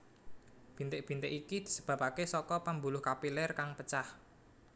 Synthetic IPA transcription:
b̥i̤nt̪ɪʔ̚b̥i̤nt̪ɪ̰kikid̪̥i̤̥səb̥ä̤pakesɔkɔpambulʊhkapilɛrkaŋpət͡ʃah

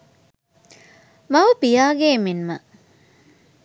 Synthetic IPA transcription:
mɐʋəpijaːɡeːminmə

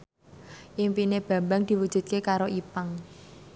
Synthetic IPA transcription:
ʔimpineb̥a̤mbaŋd̪̥i̤wud̥ʒ̥ṳt̪̚kekaɾoʔipaŋ

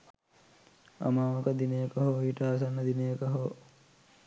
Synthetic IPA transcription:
ɐ̰maːʋəkəd̪inejəkəɦoiːʈaːs̬anːɐd̪inejəkəɦo

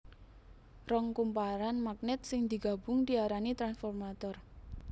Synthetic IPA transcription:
rɔŋkumpaɾanmak̚nɛt̪̚sɪŋd̪i̤ɡ̥a̤b̥ʊŋd̪iaɾanit̪ɾansfɔrmat̪ɔr

